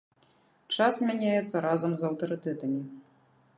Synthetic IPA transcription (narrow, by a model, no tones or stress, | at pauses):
t͡ʂasmʲanʲajɛt̪sːɐɾazɐmzɐwt̪ɐɾɨt̪ɛt̪ɐmʲi